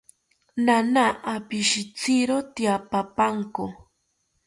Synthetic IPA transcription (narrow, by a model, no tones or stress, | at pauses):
nanaʔːpiʃit͡siɾot̪japapaŋko